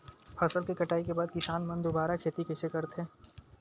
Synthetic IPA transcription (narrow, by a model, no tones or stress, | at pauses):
pʰɐsəlkikɐʈaːikebaːd̪̚kɪsaːnmɐ̃nd̪obaːɾakʰeːt̪ikɛːsekɐɾt̪ẽː